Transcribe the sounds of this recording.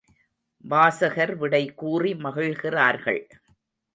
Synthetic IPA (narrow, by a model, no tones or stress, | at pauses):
baːsɐɣɐɾʋɪɽɐɪkuːrimɐɣɯɻɣɪraːɾɣɐ̰ɭ